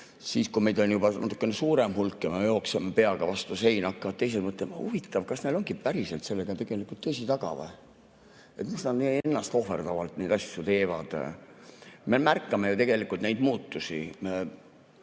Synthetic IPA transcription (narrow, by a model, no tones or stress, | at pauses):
siːskume̞jd̪̥onjubɑnɑ̰t̪ːˑu̥kːˑenesuːɾemɦulkːˑemejo̞ːksemepe̞ɑɡ̥ɑvɑst̪use̞jnɑkːɑvɑt̪t̪e̞js̬ed̪mɤt̪lenhuvit̪ːˑɑvkɑsneloŋɡ̥ipæɾise̞lt̪se̞lːe̞ɡ̥ɑt̪e̞ɡ̥e̞likːˑult̪t̪ːɤsit̪ɑɡ̥ɑ̰vɑ̰ | e̞t̪misnɑd̪nieenːɑst̪o̞he̞rd̪̥ɑvɑlt̪ned̪ɑsʲːjut̪e̞ːvɑd̪̥ | me̞mærkːˑɑme̞jut̪e̞ɡ̥e̞likˑult̪nejd̪muːt̪ːusi